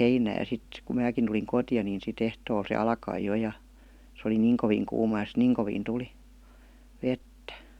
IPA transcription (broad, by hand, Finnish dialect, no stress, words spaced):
heinæː jɑ sit ku mæːkin tuliŋ kotĭjɑ ni sit ehtoːl se ɑlkɑi jo jɑ s oli niːŋ koʋiːŋ kuːmɑ jɑ sit niːŋ koʋiːn tuli ʋetːæ